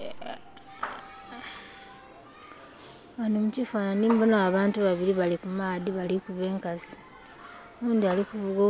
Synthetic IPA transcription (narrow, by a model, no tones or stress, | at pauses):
anomucifananiːmbonaːβaːntuβaβiɾiβalikumaːðiβalikuβe̞ːŋkasi̥ | βuːnd̪ialikuvuɡo